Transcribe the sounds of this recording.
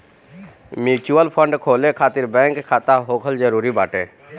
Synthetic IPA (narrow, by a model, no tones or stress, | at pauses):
miːt͡ʃuːəlpʰəɳɖkʰoːlẽkʰaːt̪ɪɾbɛ̃ːŋkʰːaːt̪aɦoːkʰəld͡ʒəɾuːɾibaːʈẽː